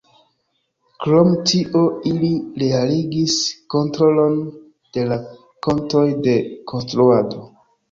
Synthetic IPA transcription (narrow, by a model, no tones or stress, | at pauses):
kɾo̞mtiʔo̞iliɾe̞aliɡisko̞ntɾo̞lo̞n | d̥e̞la | konto̞jde̞kʰonstɾuado̞